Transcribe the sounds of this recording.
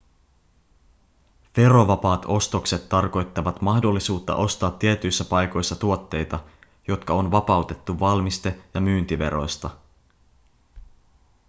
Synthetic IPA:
ʋe̞ɾo̞ʋɑpɑːt̪o̞st̪okse̞t̪ːɑrko̞jt̪ːɑʋɑt̪mɑxdo̞lːisuːt̪ːɑ̰ʔo̞st̪ɑːt̪ːiet̪yjsːæpɑjko̞jsːɑt̪uo̞t̪ːe̞jt̪ɑ | jo̞t̪kɑo̞nʋɑpɑut̪e̞t̪ːuʋɑlmist̪ejɑmyːnt̪iʋe̞̰ɾo̞̰jst̪ɑ

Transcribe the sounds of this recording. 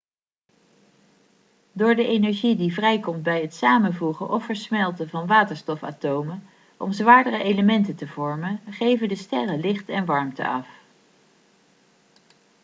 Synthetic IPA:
dʊːɹdəʔejnɛɹʒidivrɛjkɔmt̚bɛjətsaːmənvuχənʔɔfəɹsmɛlˠtəvɑnʋaːtəɹstɔfa̰ːtowmə | ʔɔ̰mzʋaːɹdərəʔejləmɛntətəvɔɹmənχejvədəstɛrəlɪχtɛnʋɑɹmtə̰ɑ̰f

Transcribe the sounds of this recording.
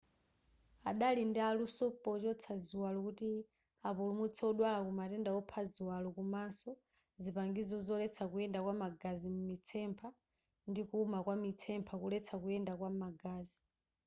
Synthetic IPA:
aɗalindɛalusɔpɔt͡ʃɔt͡sʰaziwalɔkuti | apulumut͡sʰɛɔɗwalakumatɛndaɔpʰaziwalɔkumansɔ | zipaŋɡizɔzɔlɛt͡sʰakujɛndakwamaɡazimumit͡sʰɛmpʰa | ndikuːmakwamit͡sʰɛmpʰakulɛt͡sʰakujɛndakwamaɡaːzi

